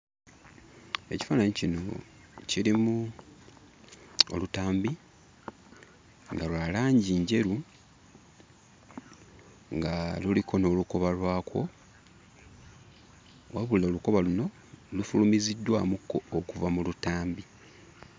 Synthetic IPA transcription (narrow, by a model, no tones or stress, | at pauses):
e̞ci̥faːnaɲecino̞̰ | ciɾimu | o̰lutaːmbi | ŋɡalwaːlaːɲɟiɲɟe̞ɾu | ŋɡalulikʰo̞no̞ːluko̞βalwaːkwo̞ | waβuloluko̞βaluno̞ | lufulumizidːwamukːo̞okuvamulutaːmbi